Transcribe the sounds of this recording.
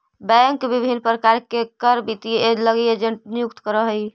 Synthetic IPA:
bɛ̃ŋkbibʱinpɾəkaɾkekəɾbit̪ieləɡeed͡ʒeɳʈnijukt̪kəɾəɦəj

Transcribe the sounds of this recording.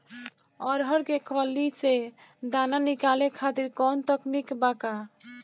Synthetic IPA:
ɔɾɦɔɾɡekʰɔlːit͡ʃe | d̪ananikalekʰat̪iɾkɔnt̪ɔknikbaka

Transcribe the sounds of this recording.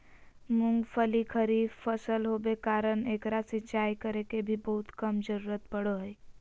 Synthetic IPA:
mʊ̃ŋɡpʰəlikʰəɾifpʰəsəlɦobekaːɾəneːkɾasɪt͡ʃaːikəɾekebʱibəɦʊt̪kəmd͡ʒəɾuːɾət̪pəɽoɦɛi

